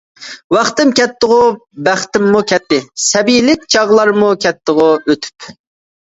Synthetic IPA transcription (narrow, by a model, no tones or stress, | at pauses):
wɑχt̪ɪmkʲʰɛt̪ːəʁʊbæχt̪ɪmːukʲʰɛt̪ːɪsɛbijlɪkʲt͡ʃʰɑʁlˠɑɾmukʲʰɛt̪ːəʁʊøt̪ʰy̥p